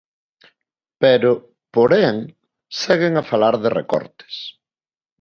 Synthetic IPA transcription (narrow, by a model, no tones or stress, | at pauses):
peɾʊ | poɾɛŋ | sɛɣɪŋafalaɾðɪrḛkɔ̰ɾt̪ɪ̥s